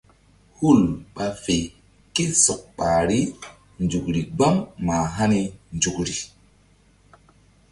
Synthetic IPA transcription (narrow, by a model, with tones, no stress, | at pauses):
hu˦˨lɓa˧fe˨ | ki˦sɔ˨k̚ɓa˨ɾi˦ | nd͡ʒu˨kɾi˨ɡ͡ba˦ŋma˨ɦa˦ni˧nd͡ʒu˨kɾi˨